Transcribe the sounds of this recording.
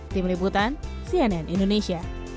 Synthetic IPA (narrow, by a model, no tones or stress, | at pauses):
t̪imɾibut̪an | siɛnɛnʔindoneʃia